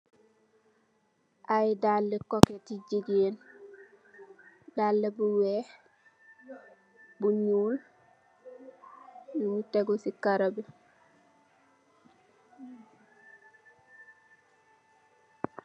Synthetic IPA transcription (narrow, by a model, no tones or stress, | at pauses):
ʔajdaːlːekoketiɟiɡeːn | daːlːebuweːh | buɲuːl | jumuteɡosikaɾabe